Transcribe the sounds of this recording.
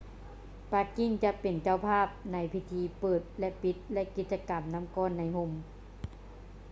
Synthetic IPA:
pa˧kːi˧˥˩ŋt͡ɕa˧pe˨˩nt͡ɕa˧˩˨wpʰaː˥˩p̚na˧˥jpʰi˧t̪ʰiː˧˥pɤː˨˩t̪̚lɛ˧pi˧˦˥t̪̚lɛ˧ʔki˧t̪̚t͡ɕa˧ka˨mna˧˥˨mkɔː˧˥˨nːa˧˥jho˧˥m

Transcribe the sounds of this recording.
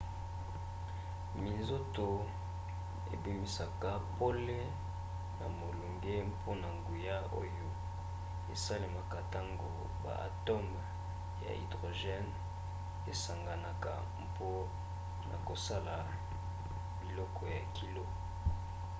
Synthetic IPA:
mi˨nzo˦to˨ | ḛ˨bi˦mi˦sa˨ka˨po˦le˦ | na̰˨mo˨lu˨ŋɡe˦pʰo˦na˨ŋɡu˨ja˦o̰˦jo˦ | ḛ˨sa˦le˨ma˨ka˨ta˦ŋɡo̰˨ | ba̰˨ʔa̰˨tɔ˦m | ja̰˨ḭ˨dʁo˨ʒɛ˦n | e˨sa˨ŋɡa˨na˨ka̰˨ | mpo˦ | na̰˨ko˨sa˦la˨ | bi˨lɔ˦kɔ˨ja˨ki˨lo˦

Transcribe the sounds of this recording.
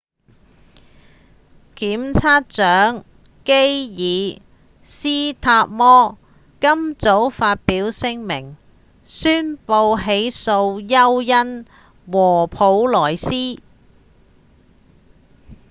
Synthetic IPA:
kiː˨˥mt͡sʰaː˥t̚t͡sœː˨˥ŋ | ke˥jjiː˨˧ | siː˥t̪ʰaː˧p̚mɔː˥ | kɐ˥mt͡so˨˥wfaː˧t̚piː˨˥wsɪ˥ŋmɪ̰˨˩ŋ | syː˥npo˧wɦe˨˥jso˧wjɐ˥wjɐ˥n | wɔː˨˩pʰo˨˧˥wlɔː˨˩jsiː˥

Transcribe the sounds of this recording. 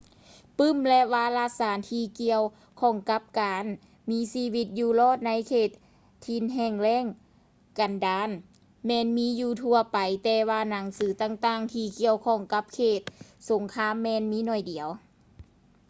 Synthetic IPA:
pɯ˧˥˨mlɛ˧ʔwaː˧˩laː˧˥saː˨˦nt̪ʰiː˧ki˧əw | kʰɔː˧˩ŋka˧˦˥p̚kaː˨n | miː˧˥siː˧˥wi˧t̪̚juː˧lɔː˧˥˩t̪̚na˧˥jkʰeː˧˩t̪̚ʰː | i˧nɦɛː˧˩ŋlɛː˧˥˨ŋ | ka˨˩ndaː˧˥n | mɛː˧˨nmiː˧˥juː˧˩t̪ʰu˧ɐpa˨˩jt̪ɛː˧waː˧na˨˦ŋsɯː˨˦t̪aː˧˨ŋt̪aː˧˥˩ŋt̪ʰiː˧ki˧əwkʰɔː˧˩ŋka˧˦p̚kʰeː˧˩t̪̚so˨˩˦ŋkʰaː˧˥˨mːɛː˧˨nmiː˧˥nɔː˧˩jdi˨˩˦ə˦w

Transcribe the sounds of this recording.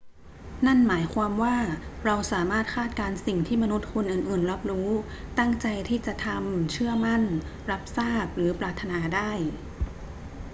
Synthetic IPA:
na˥˩nmaː˩˦jkʰwaː˧mwaː˥˩ɾa˧wsaː˩˦maː˥˩t̪̚kʰaː˥˩t̪̚kaː˧nsi˨˩ŋt̪ʰiː˥˩ma˧nu˦˥t̪̚kʰu˧nʔɯː˨˩nʔɯː˨˩nɾa˦˥p̚ɾuː˦˥ | t̪a˥˩ŋt͡ɕa˧jt̪ʰiː˥˩t͡ɕa˨˩t̪ʰa˧mt͡ɕʰɯ˥˩ɐma˥˩nɾa˦˥p̚saː˥˩k̚ɾɯː˩˦pɾaː˨˩t̪ʰːa˧naː˧daː˥˩j

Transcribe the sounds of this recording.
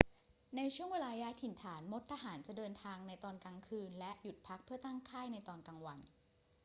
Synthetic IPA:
na˧jt͡ɕʰu˥˩əŋweː˧laː˧jaː˦˥t̪ʰi˨˩˦nt̪ʰaː˩˦nmo˦˥t̪ʰːaː˧ɦaː˩˦nt͡ɕa˨˩ʔdɤː˧nt̪ʰaː˧ŋna˧jt̪ɔː˧nkaː˧ŋkʰɯː˧nlɛ˦˥ʔju˨˩t̪̚pʰa˦˥k̚pʰɯ˥˩ɐt̪aː˥˩ŋkʰaː˥˩jna˧jt̪ɔː˧nka˧ŋwa˧n

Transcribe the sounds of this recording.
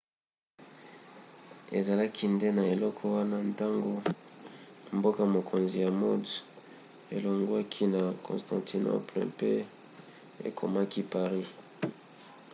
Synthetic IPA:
e˨za˨la˦kʰi˦nde˦na˨e˨lɔ˦kʰɔ˦wa˦na˦nta˦ŋɡo˦ | mbo˦ka˦mo˨kʰo˨nzi˨ja˨mo˦d | e˨lo˨ŋɡwa˦kʰi˦na˨kɔ̰̃˨stã̰˨ti˨no̰˦plɛ̰˨pe˦ | ḛ˨kʰo̰˨ma˦ki˦pa˨ʁi˦

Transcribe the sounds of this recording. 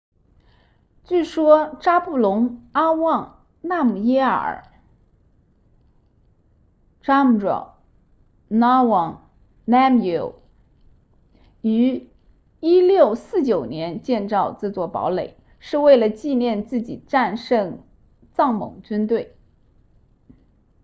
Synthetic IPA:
t͡ɕy˥˩ʂwɔ˥ʈ͡ʂa˥pu˥˩lʊ˧˥ŋa˥wɑ˥˧ŋ | na˥˩mu˨˩jɛ˥ə̰˞˨˩˨ | ʈ͡ʂa˥m̩˨˩ʈ͡ʂɔ̰˨˩ | na˥wɑ˨˩ŋ | na˥mji˨˧˩ʊ | y˧˥ | i˥ljo˥˧ʊsɹ̩˥˩t͡ɕjo˨˩ʊnjɛ˧˥nt͡ɕjɛ˥˧nt͡sɑ˥˧ʊʈ͡ʂɤ˥˧t͡swɔ˥˩pɑ̰˧˥ʊle˨˩˦ɪ | ʂɻ̩˥˧we˥˩ɪlə˩t͡ɕi˥˧njɛ˥˧nt͡sɹ̩˥˩t͡ɕḭ˨˩ʈ͡ʂa˥˧nʂɤ˥˧ŋ | t͡sɑ˥˩ŋmɤ̰˨˩ŋt͡ɕy˥nt̪we˥˩ɪ

